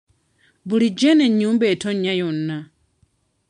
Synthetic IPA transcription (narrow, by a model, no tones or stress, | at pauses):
bulid͡ʒɛnɛɲumbɛtʰɔɲajɔnːa